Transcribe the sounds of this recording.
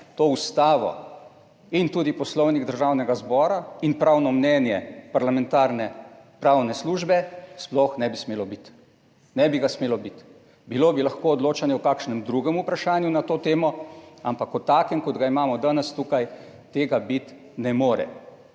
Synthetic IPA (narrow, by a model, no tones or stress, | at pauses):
t̪oust̪aːʋɔ̰ | int̪uːd̪ipɔslɔwniɡd̪əɾʒaːwnɛɡazbɔːɾainpɾawnɔmnɛnjɛpaɾlamɛ̃nt̪aːɾnɛpɾaːwnɛsluːʒbɛsplɔxnɛbismeːlɔbit̪ | nɛbiɡasmeːlɔbit̪ | biloːbilaxkoːd̪loːt͡ʃanjɛukaːkʃnɛmd̪ɾuɡɛmupɾaʃaːnjunat̪oːt̪eːmɔampakɔt̪aːkɛmkɔd̪ɡaimaːmɔd̪aːnɛst̪ukaj | t̪eːɡabit̪ | nɛmoːɾɛ̰